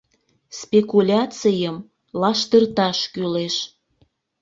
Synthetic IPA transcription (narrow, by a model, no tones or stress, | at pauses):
spekulʲɑt͡sijəm | lɑʃt̪ərt̪ɑʃkyleʃ